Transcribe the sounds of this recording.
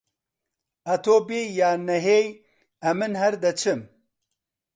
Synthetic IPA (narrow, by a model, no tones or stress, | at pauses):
ɐt̪ʰoːbeːjaːnɐɦeːj | ɐmɨnɦɐɾd̪ɐt͡ʃʰɨm